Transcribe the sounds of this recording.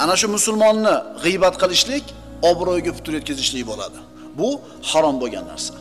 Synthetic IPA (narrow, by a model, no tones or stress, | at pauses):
anaʃʊmʊsʊlˠmɒnːɪʁɨjbat̪qʰɨlˠɪʃlɪkʲ | ɒbɾɒjɡʲapʊ̥t̪ʊɾjot̪̚kʲazɪʃlɪjʲbola̰d̪ɪ | bʊ | haɾɒmboɡʲa̰nːa̰ɾsḁ